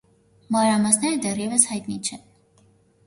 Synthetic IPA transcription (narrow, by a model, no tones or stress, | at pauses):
mɑnɾɑmɑsnɛɾəd̪ɛrjɛvəshɑjt̪nit͡ʃʰɛ